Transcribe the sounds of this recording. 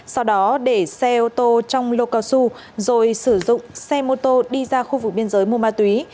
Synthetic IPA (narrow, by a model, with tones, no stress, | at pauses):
sɔ˧wɗɔ˨˦ɗe˧˩sɛ˧ʔo˧t̪o˧t͡ɕɔ˧wŋ͡mlo˧kaː˧wsu˧ | zo˨˩jsɨ˧˩zʊ̰˧˨ŋ͡msɛ˧mo˧t̪o˧ɗi˧zaː˧xu˧vɨ˨˩k̚ɓi˧ənzəː˨˦jmu˧əmaː˧t̪wi˨˦